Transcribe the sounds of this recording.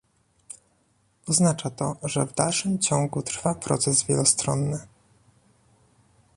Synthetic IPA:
ɔznat͡ʂat̪ɔʐɛvd̪alʂɘmt͡ɕɔŋɡut̪ɾfapɾɔ̰t̪sɛzvʲjɛlɔst̪ɾɔ̰nːɘ

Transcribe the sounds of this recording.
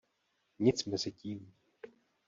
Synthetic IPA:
ɲɪt͡smɛzɪciːm

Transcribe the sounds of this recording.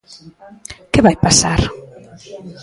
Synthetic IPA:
kɪβajpasaɾ

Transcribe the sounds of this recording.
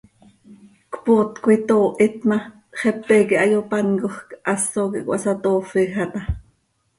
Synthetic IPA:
kpoːt̪kuit̪oːʔit̪mɑ | χɛpːɛkiʔɑjopɑnkoχkʔɑsokḭʔkʷwʔɑ̰sɑt̪oːfixɑt̪ɑ

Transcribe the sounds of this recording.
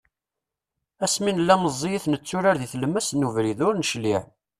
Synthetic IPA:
æsminəlːæməzˤːijəθnət͡sːʊɾaɾðiθləmːæsnuvɾiðʊɾnəʃliʕ

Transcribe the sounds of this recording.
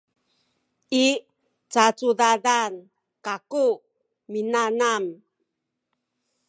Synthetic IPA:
i | t͡sat͡sudadan | kaku | minanam

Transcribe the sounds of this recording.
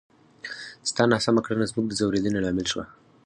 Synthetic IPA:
st̪ɑnɑsamakɽanazmuɡ̚d̪əzawɾed̪ənelɑmɪlʃwa

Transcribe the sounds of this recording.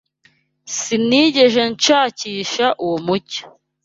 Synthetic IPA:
siniːɟe̞ʒent͡ʃaːciːʃaʔuwomuco̥

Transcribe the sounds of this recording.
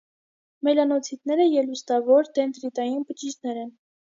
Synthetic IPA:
mɛlɑnɔt͡sʰit̪nɛɾəjɛlust̪ɑvɔɾd̪ɛnt̪ɾit̪ɑjinpət͡ʃid͡ʒnɛɾɛn

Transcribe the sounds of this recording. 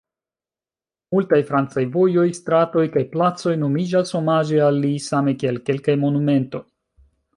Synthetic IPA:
multajfɾant͡sajvo̞jo̞jstɾato̞jkajplat͡so̞jno̞mid͡ʒasho̞mad͡ʒealːisame̞kielke̞lkajmo̞nume̞nto̞j

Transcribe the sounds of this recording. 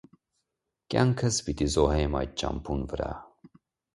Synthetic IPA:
kʲja̰ŋkʰəsbit̪izoɦeːma̰j̚t͡ʃa̰mpunvɾa̰

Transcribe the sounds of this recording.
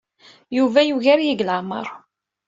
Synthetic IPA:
juvæjuʝaɾjiɡləʕmə̰ɾˤ

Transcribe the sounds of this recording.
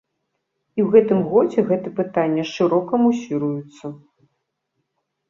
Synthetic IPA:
iwɣɛt̪ɨmɣɔd͡zʲɛɣɛt̪ɨpɨt̪anʲːɐʂɨɾɔkɐmusʲiɾujut̪sːɐ

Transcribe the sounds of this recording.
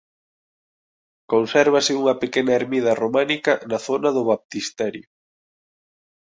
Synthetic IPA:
konsɛɾβ̞ɐsɪuŋɐpekenɐeɾmið̞ɐromanikɐnɐθonɐðʊβap̚t̪ist̪ɛɾjʊ

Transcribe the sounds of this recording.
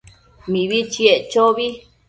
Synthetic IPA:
mĩβit͡ʃieʔt͡ʃoβi

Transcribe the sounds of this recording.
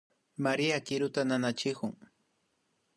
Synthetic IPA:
maɾiakɪɾʊt̪ananat͡ʃɪɢʊŋ

